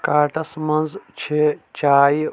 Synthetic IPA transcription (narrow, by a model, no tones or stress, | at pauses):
kaːʈɐsmɐnzt͡ʃʰit͡ʃaːj